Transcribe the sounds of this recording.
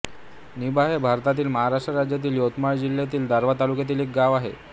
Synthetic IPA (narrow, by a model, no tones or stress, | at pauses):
nibaɦebʱaɾt̪at̪̬iːlməɦaɾaʂʈɾəɾad͡ʑjat̪̬iːljot̪maɭd͡ʑilːjat̪̬iːld̪ʱaɾʋat̪alukjat̪iːlek̚ɡaʋaɦḛ